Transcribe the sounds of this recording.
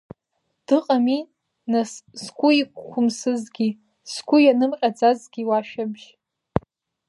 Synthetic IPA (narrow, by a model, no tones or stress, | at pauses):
d̥ɨqʼami | nasskʷʰʼʊikːʷʰʊmsɨzɡʲi | sɡʷʊjanɨmqʲʼad͡zazɡʲiwaʃᶣabʒ